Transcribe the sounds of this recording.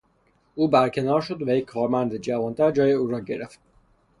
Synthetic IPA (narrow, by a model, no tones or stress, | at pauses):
uːbæɾkʰe̞nɒːɾʃod̪ʋæjekʲʰːɒːɾmænd̪ed͡ʒævɒːnt̪ʰæɾd͡ʒɒːjeuːɾɒːɟe̞ɾeft̪̚